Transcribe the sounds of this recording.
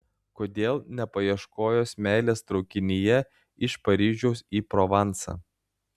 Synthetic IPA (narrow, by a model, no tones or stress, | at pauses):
koːd̪ʲeːlˠnʲɛpɐiɛʃkoːjoːsʲmʲæˑɪlʲeːst̪ɾɒʊkʲɪnʲɪjɛ | ɪʃpɐɾʲiːʒʲoʊsiːpɾɔʋɑˑnt̪sɑ̰